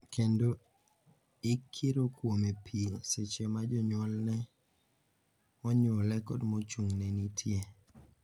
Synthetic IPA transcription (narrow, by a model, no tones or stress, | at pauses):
kʰendo | ɪkʰːeɾokwomepʰiset͡ʃemad͡ʒɔɲwɔlnɛ | ɔɲɔlɛkɔdmot͡ʃuŋnenitʰje